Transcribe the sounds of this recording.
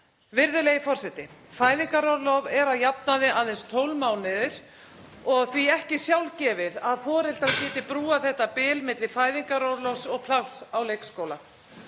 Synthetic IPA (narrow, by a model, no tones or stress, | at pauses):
vɪɾðʏlejɪfɔr̥sɛt̪ɪfaːjðiŋkaɾowɾlɔvɛɾaðjapnaðɪʔaðɛnst̪ʰoːwlmawnɪðɪɾ̥ | ɔɣθviɛhcɪsjawlcɛːvɪðaðθɔɾɪl̥t̪aðcɪːt̪ɪpɾuːaθɛht̪apɪːlmɪt̪lɪ̥faːjðiŋkaɾowɾlɔwsɔɣpʰlawsawleːjkskoːwla